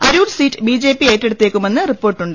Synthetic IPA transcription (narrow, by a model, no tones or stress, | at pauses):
ɐɾuːlsiːtːɨbiːd͡ʑe̞ːpːie̞ːtːeɽut̪ːeːkʲːume̞nːɨripːo̞ːrʈːuɳɖɨ